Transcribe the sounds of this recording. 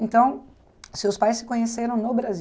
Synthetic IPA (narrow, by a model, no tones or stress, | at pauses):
ẽnt̪ɐ̃w̃ | sewspajsːɪ̥kõɲeseɾɐ̃w̃nobɾazi